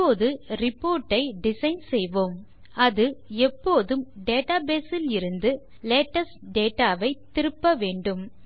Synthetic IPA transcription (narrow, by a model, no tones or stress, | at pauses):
oːðɯrɪpːoːɾʈːɐɪɖɪsɐɪnsɛjʋoːm | ɐðɯɛpːoːðɯmɖeːʈaːbeːsɪlɪɾɯnd̪ɯ | leːʈɐsɖeːʈaːʋɐɪt̪ːɪɾɯpːɐʋeːɳɖɯm